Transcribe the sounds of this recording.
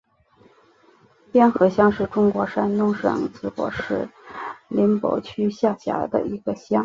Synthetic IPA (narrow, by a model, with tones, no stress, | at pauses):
pjɛ˥nxɤ˧˥ɕjɑ˥ŋʂɻ̩˥˩ʈ͡ʂʊ˥ŋkwɔ˧˥ʂa˥nt̪ʊ˥ŋʂɤ̰˨˩ŋt͡sɹ̩˥kwɔ̰˧˥ʂɻ̩˥˩li˧˥npo̰˧˥ʊt͡ɕʰy˥ɕja˥˩ɕja̰˧˥d̪ə̰˧i˧˥ɡə˧ɕjɑ˥ŋ